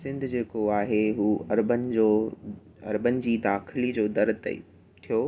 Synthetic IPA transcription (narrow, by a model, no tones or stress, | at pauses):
sɪ̃nd̪ʱd͡ʑeːkoaːɦeɦuːɐ̰ɾbənɪ̆d͡ʑoː | ɐɾbənɪ̆d͡ʑiːd̪aːxɪlid͡ʑoːd̪ɐɾt̪ɐ̰ | t̪ʰijoː